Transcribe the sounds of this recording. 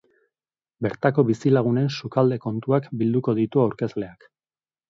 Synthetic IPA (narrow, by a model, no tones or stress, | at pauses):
be̞ɾt̪ako̞βisilaɣ̞une̞nsukald̪e̞ko̞nt̪uakbild̪uko̞ð̞it̪uawɾke̞zle̞ak